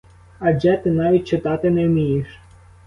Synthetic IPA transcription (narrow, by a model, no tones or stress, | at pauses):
ɐd͡ʒɛt̪ɪnɑʋʲit̚ʲt͡ʃɪt̪ɑt̪ɪnɛwmʲijɪʃ